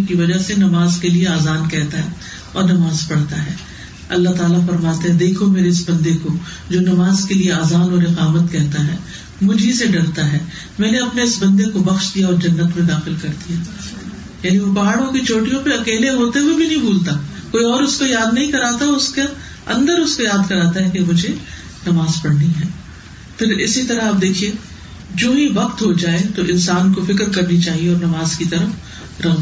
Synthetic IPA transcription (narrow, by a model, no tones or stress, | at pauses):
kiʋɐd͡ʒasenɐmaːzkelieaːzaːnkɛɦt̪aɦɛː | ɔ̰ːɾnɐmaːzpɐɽt̪aɦɛː | ɐ̰lːaɦt̪aːlafɐɾmaːt̪ẽɦɛ̃d̪eːkʰomeːɾeɪsbɐ̃nd̪eko | d͡ʒoːnɐmaːzkelieaːzaːnɔːɾɪqaːʋət̪kɛɦt̪aɦɛː | mʊd͡ʒʱiseɖɐɽt̪aɦɛː | mɛ̃ːneɐpneɪsbɐ̃nd̪ekobɐxʃd̪ijaɔːɾd͡ʒɐnːət̪mẽd̪aːxɪlkɐɾd̪ijaː | jaːniʋopaɦaːɽõkit͡ʃʰoːʈijõpeɐkeːleɦoːt̪eɦuwebʱinɐɦĩbʱuːlt̪aː | koːiɔːɾʊskojaːd̪nɐɦĩkɐɾaːt̪aʊske | ɐ̰̃nd̪əɾʊskojaːd̪kɐɾaːt̪aɦɛkemʊd͡ʒʱe | nɐʋaːzpɐɽniɦɛː | pʰɪɾɪsit̪ɐɾaɐp̚d̪eːkʰiẽ | d͡ʒoːɦĩʋɐqt̪ɦod͡ʒaːet̪oʔɪ̃nsaːnkofɪkɾkɐɾnit͡ʃaːɦieɔːɾnɐʋaːzkit̪ɐɾəf | ɾɐ